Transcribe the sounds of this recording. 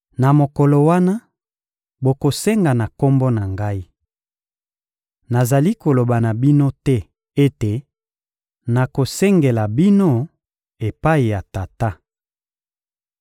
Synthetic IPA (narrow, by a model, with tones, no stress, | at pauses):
na˨mo˨kɔ˨lo˨wa˦na˦ | bo˨ko˨sɛ˦ŋɡa˨na˨ko˦mbo˦na˨ŋɡa˦i˦ | na˨za˨li˦ko˨lo˨ba˨na˨bi˦no˦tɛ˦ | e˦te˨ | na˨ko˨sɛ˦ŋɡe˨la˨bi˦no˦ | e˨pa˦i˨ja˨ta˨ta˦